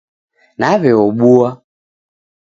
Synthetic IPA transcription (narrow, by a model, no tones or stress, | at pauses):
naβɛɔɓua